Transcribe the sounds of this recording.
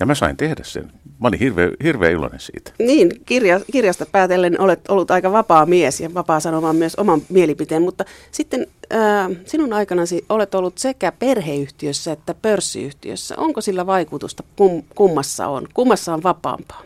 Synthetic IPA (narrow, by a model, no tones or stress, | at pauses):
jɑmæsɑint̪ehdæssḛnmɑˑolĩhirʋḛːhirʋḛːilo̰nḛnsḭːt̪niːnkirjɑkirjɑst̪ɑpæːt̪elːenʔolet̪olːut̪ɑikɑʋɑpɑːmiesjɑʋɑpɑːsɑnomɑːmyøso̰mɑmmielipit̪eːmmut̪ːɑsit̪ːenæːsinunɑikɑnɑsiolet̪olːut̪sekæperheːyht̪iøsːæet̪ːæpørsːḭy̰ht̪ḭø̰sːæ̰ʔoŋkosilːæʋɑikut̪ust̪ɑkumkumːɑsːɑ̰o̰nkumːɑsːɑoʋʋɑpɑ̰ːmpɑ̥ː